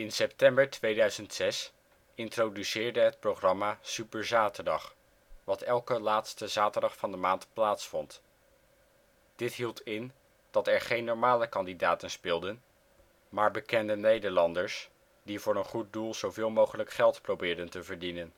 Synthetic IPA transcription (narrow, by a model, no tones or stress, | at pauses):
ɪnsɛptɛmbəɹtʋejdœɥzəntsɛs | ɪntrowdysɪːɹdəɦət̚proχrɑmaːsypəɹzaːtəɹdɑχ | ʋɑtɛlˠkəlaːtstəzaːtəɹdɑχfɑndəmaːntplaːtsfɔnt | d̥ɪtɦilˠtɪn | d̥ɑtɛɹχejnːɔɹmaːləkɑndidaːtənspɪːlˠdən | maːɹbəkɛndənejdəɹlɑndəɹs | divʊːɹənχut̚dulˠz̥owvɪːlˠmowχələkχɛlˠtprowbɪːɹdəntəvəɹdinən